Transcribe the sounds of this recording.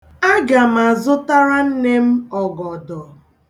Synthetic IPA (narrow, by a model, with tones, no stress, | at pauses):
a˦ɡa˨m̩˨a˨zʊ˦ta˦ɾa˦n̩˦ne˦m̩˦ɔ˨ɡɔ˨dɔ˨